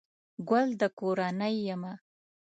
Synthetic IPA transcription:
ɡald̪əkoɾanəjːama

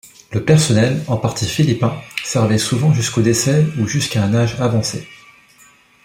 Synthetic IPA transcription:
ləpɛʁsɔnɛlɑ̃paʁt̪ʰifilipɛ̃sɛʁvɛsuvɑ̃ʒyskod̪esɛuʒyskaɛ̃naʒavɑ̃sḛ

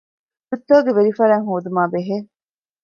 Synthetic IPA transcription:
ut̪ːoːɡeʋeɾifɐɾæːŋɦoːd̪umaːbeɦeː

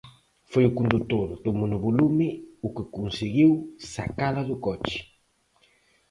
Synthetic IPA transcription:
fojʊkund̪ut̪oðʊt̪omʊnʊβolumɪʊkɪkunsɪɣiwsa̰kalɐðʊkɔt͡ʃɪ̥

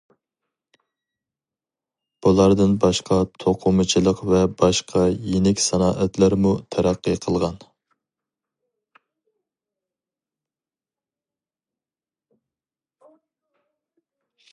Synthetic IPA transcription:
b̥ulˠɑɾd̪ɨnbɑʃqʰɑt̪ʰoqʰʊmɨt͡ʃʰilˠəqvɛbɑʃqʰɑjenɪkʲsɑnɑːʔɛt̪læɾmut̪ʰæɾæqːəqʰəlˠʁɑn

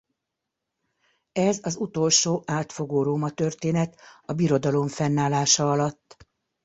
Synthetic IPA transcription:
ɛzɒzut̪o̞lʃoːʔaːt̪fo̞ɡoːɾoːmɒt̪ørt̪eːnɛt̪ɒbiɾo̞d̪ɒlo̞ɱfɛnːaːlaːʃɒɒlɒt̪ː

